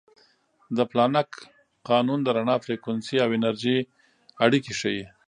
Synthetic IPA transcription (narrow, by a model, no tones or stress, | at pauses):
d̪əplɑnak | qɑnund̪əɾaɳɑfɾekwansiawɪnaɾʒi | aɽikiʃaji